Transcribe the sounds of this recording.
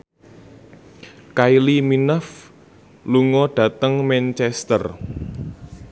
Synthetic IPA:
kailiminəf | luŋɔɖ̥ä̤t̪əŋmɛnt͡ʃɛst̪ə̰r

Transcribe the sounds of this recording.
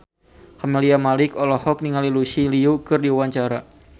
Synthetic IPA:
kameliamalɪkɔlɔhɔk̚niŋalilusiliukɨrdiuwaɲt͡ʃaɾa

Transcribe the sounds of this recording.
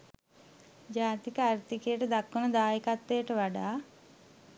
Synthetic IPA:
d͡ʒaːt̪ikɐaɾt̪ikeːʈɐd̪akːunɐd̪aːjikat̪ːeːʈɐʋaɖaː

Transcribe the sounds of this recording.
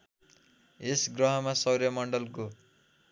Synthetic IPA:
esɡrʌɦʌmasʌwɾjʌmʌɳɖʌlko

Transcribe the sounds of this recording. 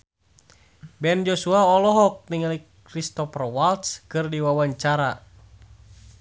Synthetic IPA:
bɛnd͡ʒosuaɔlɔɦɔk̚niŋalik | ɾist̪ɔfrwalt̪skɨrdiwawaɲt͡ʃaɾa

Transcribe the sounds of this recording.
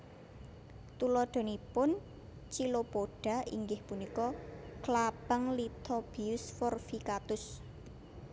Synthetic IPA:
t̪ulɔɖ̪̥o̤nipʊn | t͡ʃilopoɖ̥a̤ḭŋɡɪhpunikɔklab̥əŋlit̪ʰob̥iʊsfɔrfikat̪ʊs

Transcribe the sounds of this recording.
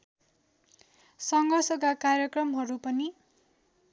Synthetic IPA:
sʌŋɡʱʌrsʌkakarjʌkrʌmɦʌɾupʌni

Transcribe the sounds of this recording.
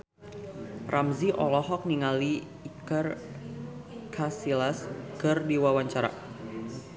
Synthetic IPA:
rʔamziʔɔlɔɦɔk̚niŋaliː | kər | kʰasilaskɨrdiwawaɲt͡ʃaɾa̰

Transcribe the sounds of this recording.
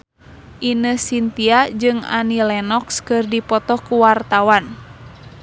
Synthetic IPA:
ʔinəsint̪iad͡ʒɨŋa̰nilɛnɔkskɨrdipɔt̪ɔkuwart̪awan

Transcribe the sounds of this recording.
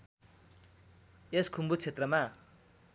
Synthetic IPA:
eskʰumbut͡sʰet̪rʌma

